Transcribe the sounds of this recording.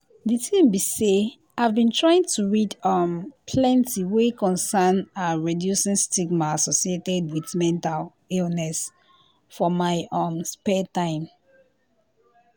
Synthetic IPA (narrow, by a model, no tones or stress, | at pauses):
ditʰĩmbise | avbĩntʰɹaĩŋtʰuɹidʌmpʰlɛ̃ntʰiwekɔ̃nsanaɹɛdjusɛ̃nstiɡmaasɔsietɛd̚wiθmɛ̃ntal | ilnɛs | fɔmaɪʔɔmspɛtãɪ̃m